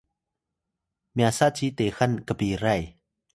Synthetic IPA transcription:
mjasat͡ɕiːt̪eːxankapiːɾaj

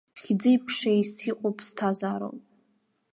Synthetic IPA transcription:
χʲd͡zɨjpʰʂaistʰiqʷʼopʼstʰazaːɾo̰wpʼ

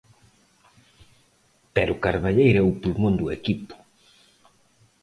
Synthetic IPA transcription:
peɾʊkaɾβaʎejɾɛupulmõnd̪uekipʊ̥

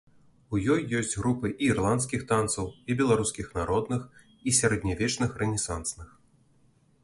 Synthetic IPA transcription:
ujɔjːɔsʲd͡zʲɣɾupɨʔiːrlˠant̪skʲixt̪ant̪sɐwibʲɛlˠaɾuskʲixnaɾɔd̪nɨx | isʲaɾɛd̪ʲnʲavʲɛt͡ʂnɨxrɛnʲɛsansnɨx

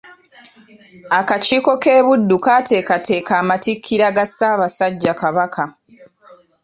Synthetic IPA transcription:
akaciːko̞ke̞ːβudːukaːte̞ːkatʰe̞ːkaːmatikʰːiɾaɡasaːβasaɟːakaβakʰa

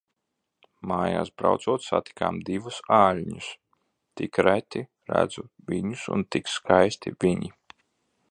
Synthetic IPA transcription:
maːja̰ːsbɾa̰wt̪suɔt̪sa̰t̪i̥kaːmd̪ivusaːlʲɲus | t̪ikɾæt̪ʲi | ɾæ̰d̪zu | vʲiɲusṵnt̪ikskajst̪ḭvʲiɲi

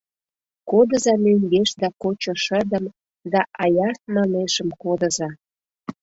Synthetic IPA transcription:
kod̪ə̆zɑmøŋɡeʃd̪ɑkot͡ɕoʃə̆d̪əm | d̪ɑʔɑjɑtmɑneʃəmkod̪ə̆zɑ

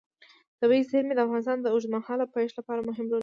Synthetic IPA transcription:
d̪̥əwezhɪlmed̪əafɣɑnɪs̬t̪ɑnd̪əʊʒmanhɑlawpajʂlapɑɾamʊɦɪmlo

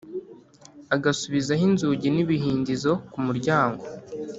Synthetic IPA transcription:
aɡasuβizaɦinzuːɟiniβiɦiːndizo̞kumuɾɟaːŋɡo̞

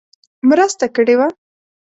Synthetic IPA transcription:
mɾəst̪akəɽewa

